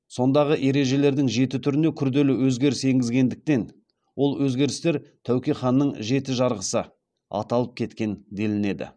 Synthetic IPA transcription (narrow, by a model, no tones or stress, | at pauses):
so̞nd̪ɑʁəʔe̞ɾe̞ʒe̞le̞ɾd̪ɪŋʒe̞t̪ɪt̪ʰʏɾɪnd̪e̞kʲʰʏɾd̪e̞lɪwɵzɡʲe̞ɾɪse̞ŋɡʲɪzɡʲe̞nd̪ɪk̚t̪e̞n | wo̞lˠwɵzɡʲe̞ɾɪst̪e̞ɾt̪ʰæwkʲijχɑnːəɴʒe̞t̪ɪʒɑɾʁəsə | ɑ̰t̪ɑlˠəp̚kʲʰe̞t̪kʲe̞nd̪e̞lɪne̞d̪ɪ̰